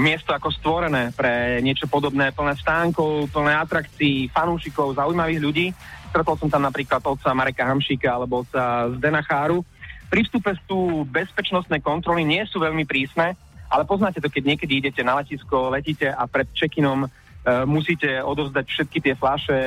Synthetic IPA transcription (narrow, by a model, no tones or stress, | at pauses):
mɪɛst̪ɔakɔst̪ʋɔɾɛnɛːpɾɛɲɪɛt͡ʃɔpɔd̪ɔbnɛːpl̩nɛːst̪aːŋkɔʊpl̩nɛːat̪ɾakt͡siːfanuːʃikɔʊzaujmaʋiːɦʎuɟiːst̪ɾɛt̪ɔlsɔmt̪amnapɾiːklad̪ɔt̪̚t͡samaɾɛkaɦamʃiːkaalɛbɔɔt͡sazd̪ɛnaxaːɾufpɾifst̪upɛst̪uːbɛspɛt͡ʃnɔst̪nɛjkɔnt̪ɾɔliɲɪɛsuːʋɛʎmipɾiːsnɛː | ʔa̰lɛpɔznaːcɛt̪ɔkɛɟɲɪɛkɛd̪iiɟɛcɛnalɛciːskɔlɛciːcɛʔapɾɛt̪̚t͡ʃɛkinɔm | musiːcɛɔd̪ɔʋvzd̪acfʃɛt̪kit̪ɪɛflaʃɛ